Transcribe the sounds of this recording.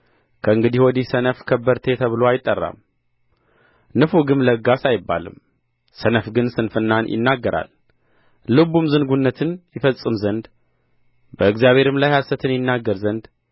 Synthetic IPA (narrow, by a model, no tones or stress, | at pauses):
kʰəɨŋɡɨd̪ihwɔd̪isənəfkʰəbːəɾt̪ʰe̞t̪ʰəβɨloajɪt̪ʼːərːa̰m | nɨfuɡɨmləɡasajɪbːa̰lɨ̰m | sənəfɡɨnsɨnfɨnːanjʔɪ̰nːaɡːəɾʔa̰l | lɨβumzɨŋɡunːət̪ʰɨnjɪfəsʼɨmzənd̪ | bəɨɡzjaβhe̞ɾɨmlajhasət̪ʰɨnjɪnːaɡːəɾzənd̪